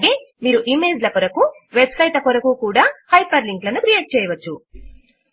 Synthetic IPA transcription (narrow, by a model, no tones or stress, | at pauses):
ɡe̞ːmiːɾuʔimeːd͡ʒlɐkɔɾɐku | ʋebsɐjʈɐkoɾɐkuːkuːɽaːhɐjpɐɾliŋklɐnukɾijeːʈ̚t͡ʃɛːjɐʋɐt͡ʃːu